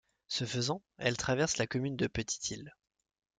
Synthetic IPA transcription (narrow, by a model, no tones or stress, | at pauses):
səfəzɑ̃ɛlt̪χavɛʁslakɔmynd̪əpət̪ʰi̥t̪ʰil